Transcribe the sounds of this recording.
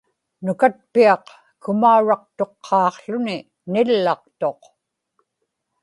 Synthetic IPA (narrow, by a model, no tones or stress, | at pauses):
nʊkat̪̚piɑq | kʊmauɻɑq̚t̪o̞qʰːɑːqɬʊni | nɪlːɑq̚t̪o̞q